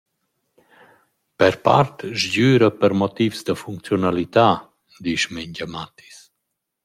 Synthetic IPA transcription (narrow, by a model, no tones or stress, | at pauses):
pɛɾpa̰ɾt̪ʒɟyːɾəpəɾmɔt̪ivsd̪əfuŋk̚t͡sjɔnalit̪a | d̪iʃmɛɲɟamat̪i̥s